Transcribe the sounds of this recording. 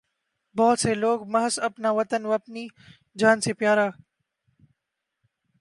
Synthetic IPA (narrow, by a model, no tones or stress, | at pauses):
bɔːt̪seːloːɡmɐɦəsɐpnaːʋɐt̪ənʋɐpniː | d͡ʒaːnseːpjaːɾaː